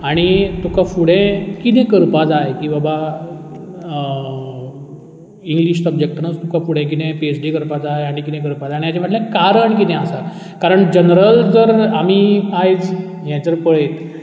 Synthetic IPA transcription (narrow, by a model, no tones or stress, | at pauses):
aɽ̃it̪ukafuɽ̤ɛ̃kit̪ɛ̃kəɾpad͡zaekĩw̃ʋaba | iŋɡliɕsəbd͡ʑek̚ʈnət͡st̪ukãfuɽ̤ɛ̃k̬it̪ɛ̃piesɖikəɾpad͡zaeaɽ̃ikit̪ɛ̃k̬əɾpad͡zajaɽijat͡ɕɛ̃m̤əʈ̪lẽkaɾəɳkit̪ɛ̃asa | kaɾəɳd͡ʑənɾəltəɾam̤iajd͡z | jɛ̃t͡səɾpəɭet̪